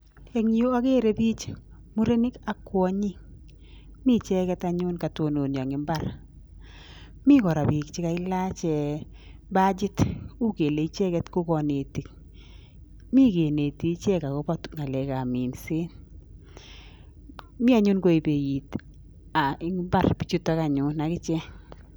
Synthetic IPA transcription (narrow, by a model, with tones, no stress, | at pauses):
e˨ŋi˦o˦a˦ke˦ɾe˨bi˦t͡ʃ | mu˦ɾe˦nɪ˦ka˨kːwɔ˦ɲi˦ŋ | mi˦t͡ʃɛ˦kɛ˦ta˦ɲʊ˦nka˨to˨no˨njɔ˨ŋɪ˨mba˦ɾ | mi˦kɔ˨ɾa˨bi˨k̚t͡ʃɪ˦ka˨ɪ˦la˦t͡ʃɛ˨ | ba˦d͡ʒɪ˦tu˦ke˨le˨i˦t͡ʃɛ˦kɛ˦tku˦kɔ˨ne˨ti˨k̚ | mi˦ke˨ne˨ti˨t͡ʃɛ˦ka˨kɔ˦pɔ˦tŋa˨lɛ˨ka˨mi˨nse˦n | mɪ˦a˨˦ɲu˦nko˦i˨pe˨ji˨t | a˨ɪ˨ŋɪ˦mba˦˨rpi˦t͡ʃu˦ta˦ka˨ɲʊ˨na˨kɪ˦t͡ʃɛ˦